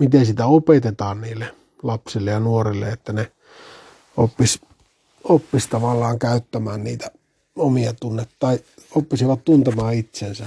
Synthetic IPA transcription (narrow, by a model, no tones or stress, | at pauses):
mit̪ensit̪æopet̪et̪ɑːnniːlːe | lɑpsilːejɑnuorilːḛet̪ːæne | opːis | opːist̪ɑʋɑlːɑːŋkæˑyt̪ːæmæːnniːt̪æ | omiɑt̪unːet̪ːɑiopːisiʋɑt̪t̪unt̪emɑːit̪sensæ